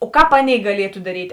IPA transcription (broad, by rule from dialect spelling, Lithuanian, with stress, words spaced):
oː ˈkɑːp ˈɑːˌnʲeːɪ ɡɐˈlʲiɛtʊ dɐˈrʲiːtʲ